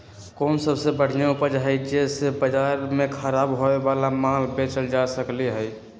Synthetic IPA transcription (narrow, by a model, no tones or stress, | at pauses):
kɔːnsəbsebəɽ̤ijãupəɾd͡ʒɦid͡ʒesebəd͡ʒaɾmẽkʰəɾaːbɦoebalamãlbet͡ʃəld͡ʒasəkliɦɛj